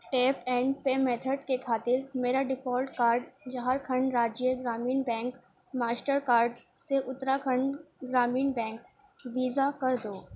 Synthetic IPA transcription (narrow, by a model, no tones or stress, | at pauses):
ʈeːpɛ̃ːɳɖpeːmeːt̪ʰəɖkekʰaːt̪ɪɾmeːɾaɖɪfʰɔːlʈkaːɾɖd͡ʒɐɦaːɾkʰɐ̃ɳɖɾaːd͡ʒeɡɾaːmiːnbɛ̃ːŋk | maːsʈəɾkaːɾɖseʔʊt̪ɾakʰəɳɖɡɾaːmiːnbɛ̃ːŋk | ʋiːzakɐɾd̪oː